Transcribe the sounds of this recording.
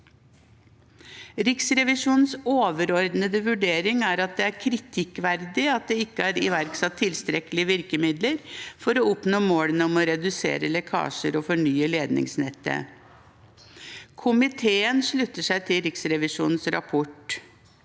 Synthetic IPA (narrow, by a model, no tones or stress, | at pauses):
ɾɪksɾɛʋɪʂuːnnsoːʋəɾɔɾd̪nəd̪əʋʉɖeːɾɪŋæɾɑt̪̚d̪ɛæɾkʰɾɪt̪ʰɪkʋæɾd̪ɪɑt̪̚d̪ɛɪkːəæɾɪ̰ʋæɾksɑt̪ʰːɪlst̪ɾɛkəlɪəʋɪɾkəmɪd̪ləɾfɔɾɔɔpnoːmoːɽənəɔmɔɾɛd̪ʉsḛːɾəlɛkʰɑ̰ːʂəɾɔfɔɳyːəleːd̪nɪ̰ŋsnɛt̪ːə̰ | kʰʊmɪt̪ʰeːənʂɭʉt̪ːəʂæɪt̪ʰɪlɾɪksɾɛʋɪʂṵːnn̩sɾɑ̰pʰɔʈ